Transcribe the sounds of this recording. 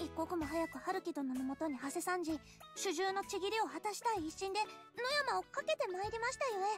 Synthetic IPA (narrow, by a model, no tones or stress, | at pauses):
ikːo̞kɯ̟mo̞ɦajakɯ̟haɾɯ̟kʲid̪o̞nomomo̞t̪o̞ɲ̟ihase̞sãɲ̟d͡ʑi | ɕɨʑɨːno̞t͡ɕiɡʲiɾʲio̞hat̪aɕi̥t̪aiːɕĩnd̪e̞ | no̞jamao̞kake̞t̪e̞maeɾʲimaɕi̥t̪ajo̞e